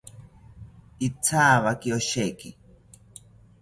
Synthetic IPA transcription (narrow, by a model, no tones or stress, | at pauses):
it͡sʰaːβakioʃeki